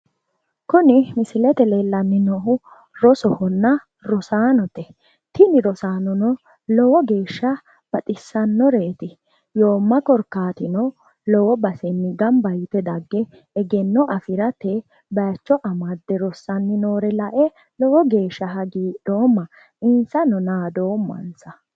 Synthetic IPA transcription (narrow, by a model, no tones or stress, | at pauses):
kʊnɪmɪsɪlɛt̪ɛlelɐmːɪnɔɦʊ | ɾɔsɔhɔnːɐ | ɾɔsaːnɔt̪ɛ | t̪ɪnɪɾɔsaːnɔnɔ | lɔwɔɡe̞ːʃːɐ | b̥ɐt̪ʼɪsːɐnːɔɾeːt̪ɪ | joːmːɐkɔɾkːaːt̪ɪnɔ | lɔwɔbɐsɛnːɪɡɐmbɐjt̪ɛd̪ɐɡːɛ | ɛɡɛnːɔʔɐfɪɾɐt̪e | bɐjt͡ʃːɔʔɐmɐd̪ːɛɾɔsːɐnːɪnoːɾɛlɐʔɛ | lɔwɔɡe̞ːʃːɐɦɐɡiːᶑoːmːɐ | ɪnsɐnɔnaːd̪oːmːɐ̰nsɐ